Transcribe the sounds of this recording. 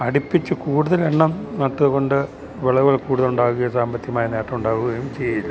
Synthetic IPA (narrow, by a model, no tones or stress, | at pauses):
ɐɽipːit͡ɕːɨkuːɽuðɐleɳːɐmnɐt̪ːɨðuɣo̞ɳɖɨ | ʋeɭɐɣɐɭkuːɽuðɐluɳɖaːɣuɣɐsaːmbɐt̪ːjɐmaːjɐneːʈːɐmuɳɖaːɣuɣɐjumt͡ɕejːilː